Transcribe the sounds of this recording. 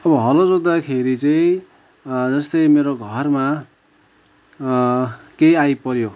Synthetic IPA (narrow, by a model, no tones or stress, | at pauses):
ʌbʌɦʌlod͡zod̪akʰeɾit͡sʌĩ | d͡zʌst̪ʌjmeɾoɡʱʌrma | kejajpʌɾjo